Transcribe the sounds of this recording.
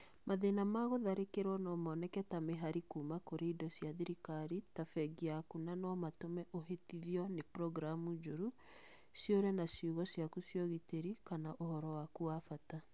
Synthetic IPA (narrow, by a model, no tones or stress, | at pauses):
maðenamaɣoðaɾekeɾwɔnɔmɔːnɛkɛtameɦaɾikuːmakoɾeidɔsiaðiɾikaɾitafɛɡiakunanɔmatomɛʔoɦetiɾjɔnepɾɔɣɾamud͡ʒoɾu | sjoɾɛnasjuɣɔsjakusjɔɣiteɾikanaʔohɔɾɔwakuafata